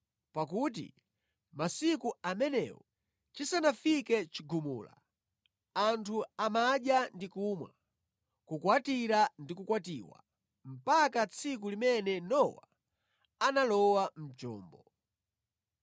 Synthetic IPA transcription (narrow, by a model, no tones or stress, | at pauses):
pak̬ut̬ḭ | masikuamɛnɛ̰wɔ | t͡ʃisanafikɛt͡ʃiɡumṵːla̰ | antʰuamaɗjandikumwa̰ | kukwatiɾandikukwatiːwa̰ | m̩pakat͡sʰikulimɛnɛnɔwa̰ | analɔwam̩t͡ʃɔ̰ːmbɔ